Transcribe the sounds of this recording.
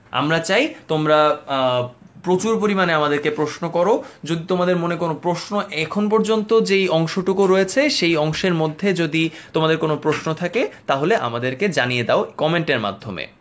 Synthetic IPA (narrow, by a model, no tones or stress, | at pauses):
a̰mɾat͡ɕajt̪omɾa | pɾot͡ɕuɾp̬oɾimaneamad̪eɾkepɾoʃnokɔɾod͡ʑod̪it̪omad̪eɾmonekonopɾoʃnoʔɛkʰonp̬ɔɾd͡ʑont̪od͡ʑejɔŋʃoʈukoɾɔet͡ɕʰeʃejɔŋʃeɾmod̪ʱːed͡ʑod̪it̪omad̪eɾkonopɾoʃnot̪ʰaket̪aɦoleʔa̰mad̪eɾked͡ʑanijed̪aokɔmeɳʈeɾma̰d̪ʱːo̰mḛ